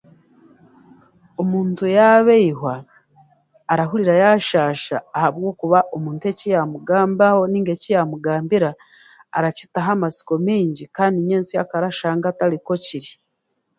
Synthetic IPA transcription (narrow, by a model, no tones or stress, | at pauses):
omuːntujaβeiɦwa | ɾaɦuɾiɾajaʃaːʃa̰ːhaβɡo̞ːkuβaʔo̞muːntue̞cijamuɡaːmbaho̞niːŋɡe̞cijamuɡaːmbiɾaː | ɾaci̥taɦamasi̥ko̞miːɲɟikaːndiɲeːnsia̰kaɾaʃaːŋɡataliko̞ciɾi